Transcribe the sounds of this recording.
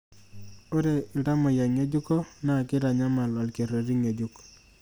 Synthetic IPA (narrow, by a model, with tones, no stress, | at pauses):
o˦ɾe˨i˨ɾa˦mɔ˨ja˨ŋe˦d͡ʒu˦kɔ˦na˨kɪ˦ɾa˨ɲa˦ma˨lɔ˨lke˨ɾo˨ɾi˦ŋe˨d͡ʒu˦k